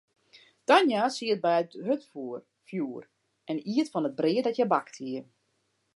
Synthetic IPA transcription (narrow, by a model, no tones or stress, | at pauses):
d̥anjasiət̚bɛəthøtfuər | fjuːər | ʔɛniətfɔnəd̚brɪədɔtjɛbaktʰiə